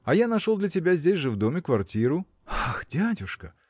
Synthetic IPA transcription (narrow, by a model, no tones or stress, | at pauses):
ajanaʂɔlˠd̪lʲɐtʲɪbʲazʲd͡zʲesʲʐɨvd̪ɔmʲɪkvart͡sʲiɾu | axd͡zʲadʲuʂkɐ